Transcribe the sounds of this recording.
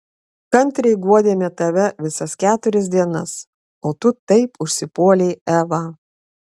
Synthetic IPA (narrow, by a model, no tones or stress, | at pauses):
kɐnʲt̪ʲɾʲɛɪɡuɔd̪ʲeːmʲɛt̪ɐʋʲɛʋʲɪsɐskʲæːt̪ʊɾʲɛs̬ʲd̪ʲiɛnɐs | oːt̪ʊt̪ɐɪpʊʃʲsʲɪpuɔlʲeɪæːʋɑː